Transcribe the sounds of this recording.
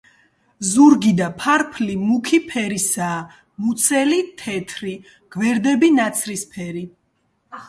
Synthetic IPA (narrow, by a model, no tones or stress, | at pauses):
zuɾɡid̪apʰaɾpʰlimukʰipʰɛɾisaː | mut̪sʰɛlit̪ʰɛt̪ʰɾi | ɡ̥vɛɾd̪ɛbinat̪sʰɾispʰɛɾi